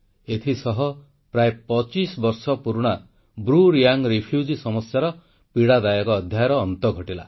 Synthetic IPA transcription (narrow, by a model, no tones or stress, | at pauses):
et̪ʰisɔɦɔ | pɾaepɔt͡ʃisbɔɾsɔpuɾuɽ̃a | bɾuɾiaŋɾipʰjud͡ʒisɔmɔsːaɾɔ | piɽad̪ajɔkɔːd̪ʱjajɔɾɔːnt̪ɔɡʱɔʈila̰